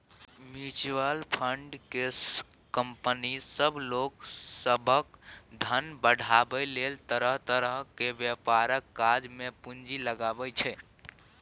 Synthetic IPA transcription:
mit͡ʃʋəlpʰəɳɖke | kəmpənisəbʱloksəbʱəkd̪ʱənbəɽ̤ʱabəjlelt̪əɾəɦt̪əɾəɦkebjəpaɾəkːad͡ʒmepund͡ʒiləɡabət͡ʃʰɛ

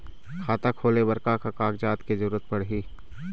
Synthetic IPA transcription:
kʰaːt̪akʰoːlebɐɾkakakaːkd͡ʒaːt̪kezɐɾuːɾət̪̚pɐɽɦiː

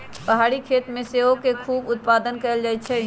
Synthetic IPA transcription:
pəɦaːɽikʰeːt̪mẽseokekʰuːbʊt̪̚paːd̪ənkəld͡ʒajt̪t͡ʃʰɛ

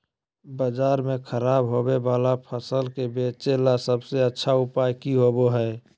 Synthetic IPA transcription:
bəd͡ʒaːɾmẽkʰəɾaːbɦobebaːlapʰəsəlkebeːt͡ʃelasəbseətːʃʰaʊpaːjkiɦoboɦɛː

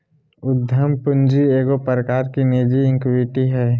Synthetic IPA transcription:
ʊd̪ʱjəmpʊnd͡ʒieːɡopəɾəkaːɾkined͡ʒiɪ̃ŋkʋɪʈiɦɛː

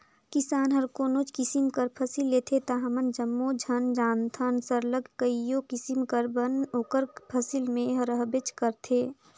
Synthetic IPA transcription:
kisaːnɦəɾkoːnoːt͡ʃkisimkəɾpʰəsilːeːt̪ʰet̪aɦɐmənd͡ʒəmːod͡ʒʱənd͡ʒaːnt̪ʰansəɾləɡkəijokisimkəɾbənoːkəɾpʰəsilmẽɦɾəɦbet͡ʃkəɾt̪ʰeː

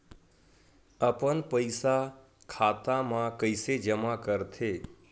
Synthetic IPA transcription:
əpənpəjsa | kʰat̪ãmãkəjsed͡ʒəmakəɾt̪ʰe

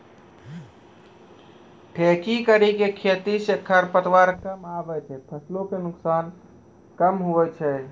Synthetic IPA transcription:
ʈʰekikəɾikekʰet̪isekʰːəɾpət̪waɾkəmabɛt͡ʃʰɛpʰəslokenʊksan | kəmɦoʋɛt͡ʃʰɛ

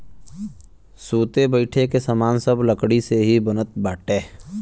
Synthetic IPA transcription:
suːt̪ebəɪʈʰekesəmaːnsɐbləkɽiseɦibənət̪̚baːʈeː

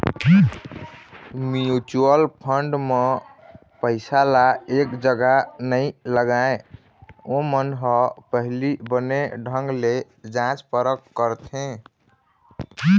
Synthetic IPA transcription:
mijut͡ʃuəlpʰəɳɖme | pəɪsalaekd͡ʒəɡanəiləɡae | õmənɦɔpəɦlibəneɖʱə̃ŋɡle | d͡ʒãt͡ʃpəɾəkːəɾt̪ʰẽ

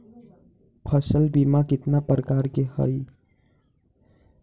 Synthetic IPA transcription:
pʰəsəlbimakɪt̪napɾəkaɾkehə̰j

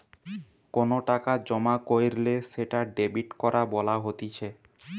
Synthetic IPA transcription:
konoʈakad͡ʑɔmakojɾleʃeʈaɖebiʈkɔɾabɔlaɦot̪it͡ɕʰe

